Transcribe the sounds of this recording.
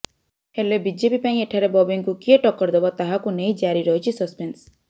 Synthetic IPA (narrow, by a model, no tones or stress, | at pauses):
helebid͡ʒepipaĩeʈʰaɾebɔbeŋkukieʈɔkːɔɾd̪ebɔt̪aɦakunejd͡ʒaɾiɾɔɦit͡ʃʰisɔspens